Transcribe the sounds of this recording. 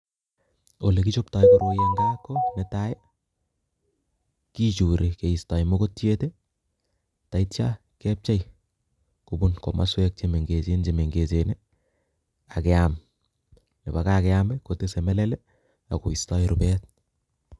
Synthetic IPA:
olekit͡ʃoptajkoɾojeŋɡaːkːonɛtajɛ | kit͡ʃuɾʔikeistajmokotjete | taitt͡ʃa | kɛp̚t͡ʃaj | kubunko̰ma̰swɛk̚t͡ʃemeŋɡet͡ʃent͡ʃemeŋɡet͡ʃene | akɛam | nebakakɛambɛkotesemɛlɛlɛ | akoistajiɾupɛːt̚

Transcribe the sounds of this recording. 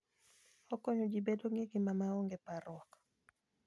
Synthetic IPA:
ɔkɔɲɔd͡ʒibedoŋiɡimamaɔŋɡepaɾɔk

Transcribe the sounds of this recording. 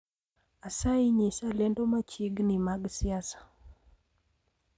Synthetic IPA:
asaiɲisalɛndomat͡ʃiɡnimaɡsiasḁ

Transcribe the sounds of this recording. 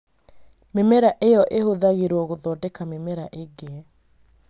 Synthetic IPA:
memɛɾaʔejɔʔehoðaɣeɾoɣoðɔdɛkamemɛɾaʔeɡeɛ

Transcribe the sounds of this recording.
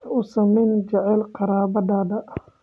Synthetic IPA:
ʊsɐmɛjnd͡ʒɛʕɛlqɑɾaːbɐd̪aːd̪ɐʔ

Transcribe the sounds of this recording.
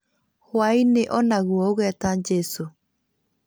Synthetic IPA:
hwaineʔɔnaɣwɔoɣɛːtaɲd͡ʒɛso

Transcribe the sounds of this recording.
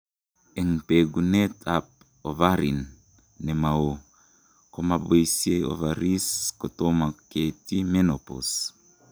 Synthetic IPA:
eŋpeɡunet̪ʰap̚ | ovaɾinː | emao | komabeisiejo̰vaɾiskot̪omaket̪imenopo̰s

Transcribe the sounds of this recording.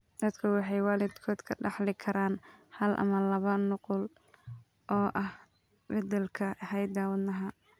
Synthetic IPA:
d̪ɐd̪kʰɐwɑħɑjwɑːlɪd̪kʰɔːd̪kʰɐɖɑħlɪkʰɐɾaːnhɐlʔɐ̰mɐlɐβɐnʊqʊl | ʔɔːʔɐh | bɛd̪ɛlkʰɐhɛjd̪aːwɐd̪nɐɦɐ

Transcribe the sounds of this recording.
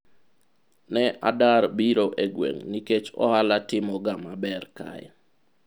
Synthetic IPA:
nɛʔadaɾbiɾoʔeɡwḛŋniket͡ʃɔ̰halatɪmɔɡamabɛrka̰ɛ̰

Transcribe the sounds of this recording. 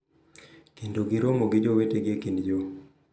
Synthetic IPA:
kindoɡiɾomoɡid͡ʒoweteɡekindd͡ʒo

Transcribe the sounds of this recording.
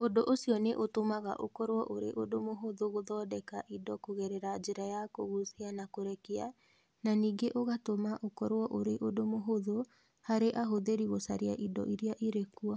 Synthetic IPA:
odoʔosiɔneʔotomaɣa̰ʔo̰kɔɾwɔʔoɾḛʔodomoɦoðoɣoðɔːdɛkaʔidɔkoɣɛɾɛɾad͡ʒeɾajakoɣosianakoɾɛkia | naniːɡeʔoɣatomaʔokɔɾwɔʔoɾeʔodomoɦoðo | haɾeʔaɦoðeɾiɣosaɾea̰ʔidɔ̰ʔiɾiaʔiɾekua

